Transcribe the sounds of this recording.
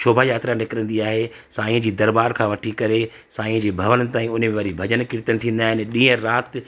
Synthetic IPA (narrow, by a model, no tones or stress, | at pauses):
ʃʰoːbʱajaːt̪ɾanɪkɪɾə̃nd̪iaːɦe | saːĩə̃d͡ʑiːd̪ɐɾbaːɾkʰãːʋɐʈʰikɐɾe | sãːĩə̃d͡ʑeːbʱɐʋənɪ̆t̪aːĩʊn̤mẽʋɐɾibʱɐd͡ʑənkɪɾt̪ənɪt̪ʰĩːn̆d̪aːɦɪnɪ̆ɗĩːə̃ɾaːt̪